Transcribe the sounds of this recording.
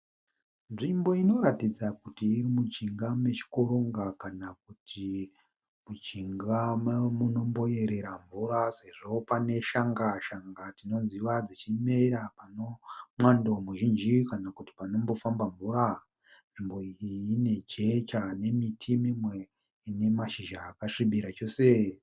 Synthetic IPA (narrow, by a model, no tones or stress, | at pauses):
nʐimbo̞ino̞ɾatid͡zakutiːɾimut͡ʃiŋɡame̞t͡ʃi̥koɾoŋɡakanak̚utʰi | mut͡ʃiŋɡamamuno̞mbo̞je̞ɾe̞ɾaɱvuɾase̞ʐo̞pane̞ʃaŋɡaʃaŋɡatino̞ziʋad͡zit͡ʃimeiɾapano̞mwandomuʒind͡ʒikanakuti̥pano̞mbo̞fambaɱvuɾa | ʐimboiine̞d͡ʒe̞t͡ʃane̞mitʰimimwe̞ | ne̞maʃiʒaːkaʂiɓiɾat͡ʃo̞se